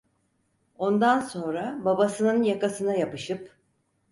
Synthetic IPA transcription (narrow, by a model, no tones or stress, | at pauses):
o̞nd̪anso̞nɾababasɯnɯnjakasɯnajapɯʃɯp